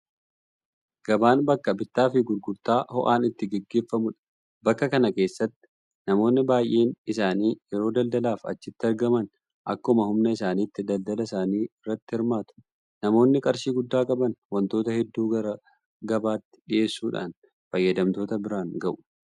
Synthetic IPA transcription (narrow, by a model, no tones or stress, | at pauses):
ɡ̥ɐbaːnbɐkːɐbɪt̪ːaːfɪɡʊɾɡʊɾt̪aːhɔʔaːnɪt̪ːɪɡɛɡːe̞ːfːɐmʊᶑɐ̥ | bɐkːɐkɐnɐke̞ːsːɐt̪ːɪ̥ | nɐmo̞ːnːɪbaːjʔːe̞ːnɪsaːniːjɛɾo̞ːd̪ɐld̪ɐlaːfɐ̰t͡ʃːɪt̪ːɪɐɾɡɐmɐn | ʔɐkːmɐhʊmnɐɪsaːniːt̪ːɪd̪ɐld̪ɐlɐɪsaːniːɪrːɐt̪ːɪhɪɾmaːt̪ʊ̥ | nɐmo̞ːnːɪkʼɐɾʃiːɡʊd̪ːaːkʼɐbɐnwɐnt̪o̞ːt̪ɐhɛd̪ːuːɐɾɐ | ɡɐbaːt̪ːɪ̥ᶑɪʔe̞ːsːuːᶑa̰ːn | fɐjːɐd̪ɐmt̪o̞ːt̪ɐbɪɾaːnɡɐʔʊ̥